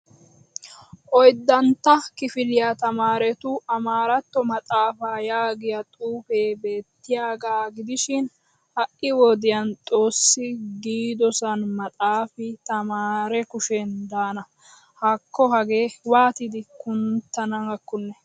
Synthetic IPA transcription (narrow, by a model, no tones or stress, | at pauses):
ʔɔjd̪ːɐnt̪ːɐkɪfɪlɪjat̪ɐmaːɾɛt̪ʊɐmaːɾɐt̪ːɔmɐt̪ʼaːfaːjaːɡɪjɐt̪ʼuːfeːbe̞ːt̪ːɪjaːɡaːɡɪd̪ɪʃɪn | hɐʔʔɪwɔd̪ɪjɐnt̪ʼo̞ːsːɪɡiːd̪ɔsɐnmɐt̪ʼaːfɪt̪ɐmaːɾɛkʊʃɛnd̪aːnɐ | hɐkːɔɦɐɡe̞ːwaːt̪ɪd̪ɪkʊnt̪ːɐnɐŋɐkːʊnːɛ